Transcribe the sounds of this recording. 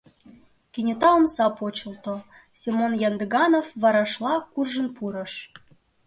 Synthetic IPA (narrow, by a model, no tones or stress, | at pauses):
kenʲet̪ɑomsɑpot͡ɕə̆lt̪o | sʲemonjɑnd̪əɣɑnofβɑɾɑʃlɑkurʒə̆npuɾə̆ʃ